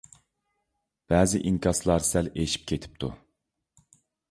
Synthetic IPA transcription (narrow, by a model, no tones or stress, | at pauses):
b̥ɛːzɪʔiŋkʰʲɑslˠɑɾsɛleʃi̥p̚kʲʰet̪ʰi̥p̚t̪ʰṵ